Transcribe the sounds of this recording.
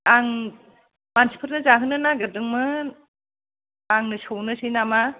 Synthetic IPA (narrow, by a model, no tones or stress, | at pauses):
aŋ | mansi̥pʰɯɾnɯzaɦɯnɯnaɡɯdɯŋmɯ | aŋnɯsɯwnɯsʰinama